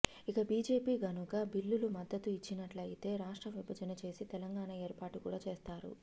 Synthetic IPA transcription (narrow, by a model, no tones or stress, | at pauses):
ikɐbiːd͡ʒe̞ːpiːɡɐnukɐbilːulumɐd̪ːɐt̪uit͡ʃːinɐʈlɐjt̪e̞ːɾaːʂʈɾɐʋibʱɐd͡ʒɐnɐt͡ʃe̞ːsit̪ɛlɐŋɡaːɳɐeːɾpaːʈukuːɽaːt͡ʃe̞ːst̪aːɾṵ